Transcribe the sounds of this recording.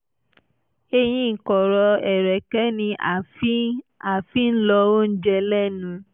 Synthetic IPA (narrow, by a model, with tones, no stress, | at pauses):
e˧j̃ĩ˦ŋ̩˨kɔ˨ɾɔ˧ɛ˨ɾɛ˨kɛ˨˦nĩ˧ʔa˨i˦a˨fi˨˦n̩˦lɔ˧wo˦n̩˦d͡ʒɛ˧lɛ˦nũ˧